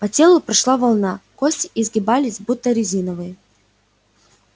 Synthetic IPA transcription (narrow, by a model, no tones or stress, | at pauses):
pɐtʲe̞lˠʊpɾɐʂlˠavɐlˠnakosʲtʲɪ̥ɪzɡʲɪbalʲɪsʲbut̪ːəɾʲɪzʲinəvɨ